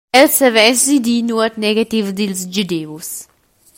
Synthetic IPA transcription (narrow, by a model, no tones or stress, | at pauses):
ɛlsəvɛsdid̪inuət̪nɛɡat̪ivd̪ilzd͡ʒud̪eus